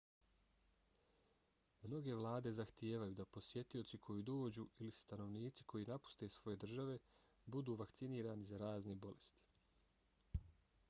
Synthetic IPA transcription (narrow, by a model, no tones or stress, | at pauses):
mno̞ɡe̞ʋlˠaːd̪e̞zaxt̪jeːʋajuːd̪apo̞sje̞t̪io̞tsikʰo̞jiːd̪oːd͡ʑuːilist̪ano̞ʋniːt̪si̥kʰo̞jiːnapu̥st̪e̞sʋo̞je̞d̪r̩ʒaʋe̞ | bud̪uːʋakt̪siniːɾaːnizaɾaːznebo̞le̞st̪i̥